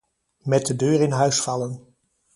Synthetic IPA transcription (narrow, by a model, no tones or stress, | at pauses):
mɛt̚dədøːɾɪnɦœɥsfɑlən